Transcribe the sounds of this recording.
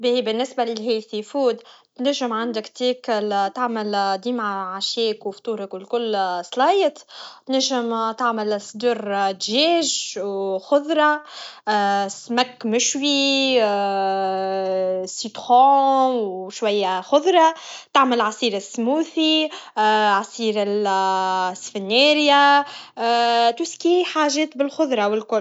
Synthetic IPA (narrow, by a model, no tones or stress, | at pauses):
bibɪnːɪsbælɪlɦeːlθifuːd̪t̪næʒːəmʕand̪əkt̪iːklt̪aʕməld̪iːmʕaʕaʃjɛːkwft̪uːɾˤɑkɪlkʊlːsˤlɑːjət̪t̪næʒːɪmt̪aʕməlsˤd̪uɾt̪ʒɛːʒ | xʊðˤɾˤɑ | smækːmɪʃwi | sit̪xoːwʃwæjːæxʊðˤɾˤɑt̪aʕməlʕɑsˤiːɾɪsːmuːθi | ʕɑsˤiːɾɪl | sfɪnːɛːɾja | t̪uskiħaːʒɛːt̪bɪlxʊðˤɾˤɑwɪlkʊl